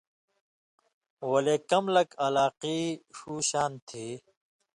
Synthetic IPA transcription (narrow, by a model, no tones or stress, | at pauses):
wɐleːkɐmlɐkɐlaːqiːʂuːɕaːnt̪ʰiː